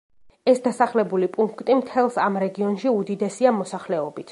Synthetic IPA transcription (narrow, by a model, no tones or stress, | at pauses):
ɛsd̪asaχlɛbulipʼuŋkʰt̪ʼimt̪ʰɛlˠsamɾɛɡiɔnʃiud̪id̪ɛsiamɔsaχlɛɔbit̪ʰ